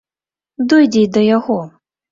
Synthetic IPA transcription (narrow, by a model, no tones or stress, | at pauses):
d̪ɔjdʲid̪ɔjaɣɔ